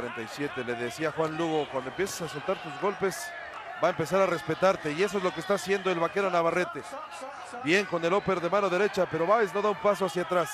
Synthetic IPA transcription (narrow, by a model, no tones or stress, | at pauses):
ɾent̪ajsje̞t̪e̞le̞ðe̞siaxwanluɣo̞kwand̪oempje̞sḁsasolt̪aɾt̪uzɣo̞lpe̞s | baempe̞s̬aɾare̞spe̞t̪aɾt̪e̞ie̞s̬o̞ezlo̞keːst̪asje̞nd̪oe̞lβake̞ɾanaβare̞t̪e̞ | bje̞ŋko̞ne̞lo̞pe̞ɾðe̞mano̞ðe̞ɾe̞t͡ʃape̞ɾo̞βajsno̞ðaumpaso̞asjat̪ɾas